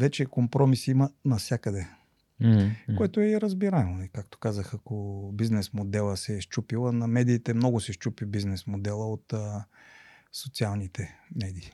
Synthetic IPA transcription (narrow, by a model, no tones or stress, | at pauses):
vɛt͡ʃɛkompɾɔmisimənɐfsʲjakəd̪ɛ | koɛt̪oɛɾəzbiɾaɛmonɛikak̚t̪o̥kazəxɐkobiznɛsmod̪ɛlˠəsɛʃt͡ʃupilˠənɐmɛd̪iːt̪ɛmnɔɡʊsɛʃt͡ʃupibiznɛsmod̪ɛlˠəot̪ː | sot̪sialˠnit̪ɛmɛd̪iː